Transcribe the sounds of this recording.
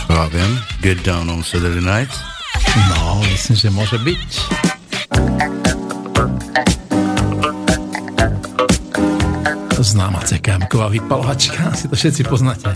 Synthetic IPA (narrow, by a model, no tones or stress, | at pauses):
javɪɛ̃mɡɛt̚dãʊ̃nɔ̃nsɛd̪ə˞denaɪt | nɔmislimʒɛmʊɔʒɛbic | znaːma̰t͡sɛkaːmkɔʋaːʋipalɔʋat͡ʃkʰasit̪ɔfʃɛt̪t͡sipɔznacɛ